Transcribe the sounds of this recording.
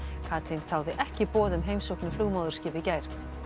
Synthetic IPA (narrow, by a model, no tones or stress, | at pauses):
kʰaːt̪ʰɾɪnθawðɪʔɛhcɪpɔːðʏmɦeːjmsowknʏfluːɣmaːðʏɾ̥scɪːvɪcaːjɾ̥